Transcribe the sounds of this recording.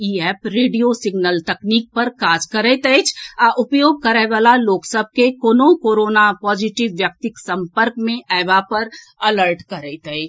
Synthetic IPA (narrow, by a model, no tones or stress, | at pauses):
iːɛːpɾeːɖijosɪɡnəlt̪ɛkniːk̚pɐɾkaːd͡ʒkəɾɛːt̪ɛet͡ʃʰaʔʊpjoːɡ̚kɐɾɛʋaːlaloːksəb̚ʱkekoːnõkoːɾoːnapɔːd͡ʒɪʈɪʋːjək̚t̪ɪksɐ̃mpəɾkmẽʔɛːʋapɐɾ | ɐləɾʈkɐɾɛeːt̪əet͡ʃ